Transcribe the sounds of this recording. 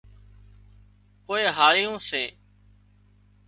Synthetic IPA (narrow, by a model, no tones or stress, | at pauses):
koːeːɦaːlɪjõːseː